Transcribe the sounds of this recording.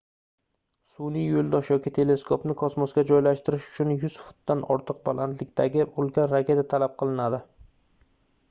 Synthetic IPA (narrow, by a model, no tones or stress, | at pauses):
sʊnijjolˠd̪ɒʃjɒkʲit̪ʰe̞le̞skʰopnɪkʰɒsmɒsɡʲad͡ʒɒjlaʃt̪ɪɾɪʃʊ̥t͡ʃʰʊnjʊz̥fʊ̥t̪̚d̪anʔɒɾt̪ʰɨq̚balant̪lɪkʲt̪ʰaɡʲɪolˠɡʲanɾakʲʰe̞t̪at̪ʰalap̚qʰɨlˠɪnad̪ɪ